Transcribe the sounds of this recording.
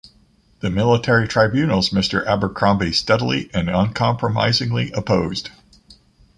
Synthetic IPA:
ðɨmɪlˠətʰɛɹitʰɹ̥aɪbjʉnl̩ˠzmɪstə˞ʔæbə˞kʰɹ̥ɑ̃mbistɛɾl̩ˠḭʔɨ̃nə̃nkʰɑ̃mpʰɹəma̰ɪzɪ̃ŋliʔɨpʰoʊzd̥

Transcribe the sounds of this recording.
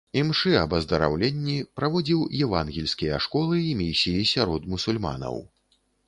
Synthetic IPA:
imʂɨɐbɐzd̪ɐɾa̰wlʲɛnʲːipɾavɔd͡zʲiwjɛvanɣʲilʲsʲkʲijɐʂkɔlˠɨimʲisʲijisʲaɾɔd̪musulʲma̰nɐ̰w

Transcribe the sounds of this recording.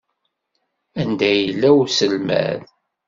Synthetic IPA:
ænd̪æjəlːæwsəlmæ̰ð

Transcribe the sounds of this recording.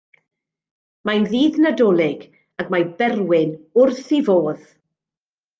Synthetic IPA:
majnðiːðnədɔlˠɪɡ | aɡmajbɛrwɪnʊrθivoːð̥

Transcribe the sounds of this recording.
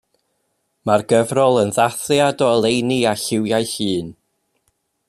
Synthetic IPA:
marɡəvrɔlˠənðaθjadɔəlˠejniaɬɪwjajɬɨːn

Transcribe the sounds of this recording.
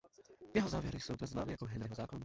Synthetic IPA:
jɛɦɔzaːʋjɛɾisuʊd̪ɲʲɛzma̰miakɔɦɛnɾɛɦɔzaːkɔn

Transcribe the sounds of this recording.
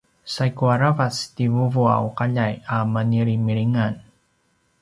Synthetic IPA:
sajkuaɾavastivuvua̰wuqaʎajamaniɾimiɾiŋan

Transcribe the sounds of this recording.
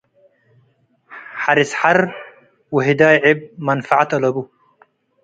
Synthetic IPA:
ħaɾisħaɾ | wiɦid̪aːjʕɪb̚manfaʕat̪alɐbu

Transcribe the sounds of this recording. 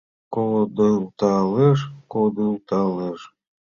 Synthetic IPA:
kold̪ɤlt̪ɑleʃkod̪ɯlt̪ɑleʃ

